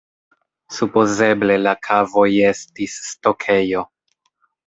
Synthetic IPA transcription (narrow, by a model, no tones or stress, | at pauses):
supo̞ze̞ble̞lakʰavo̞je̞stisːto̞kʰe̞jo̞